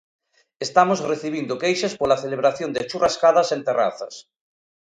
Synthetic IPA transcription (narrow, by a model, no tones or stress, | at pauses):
est̪amosreθiβ̞ind̪ʊkejʃaspolaθeleβɾaθjond̪ɪat͡ʃurʔaskaðɐsent̪era̰θɐ̰s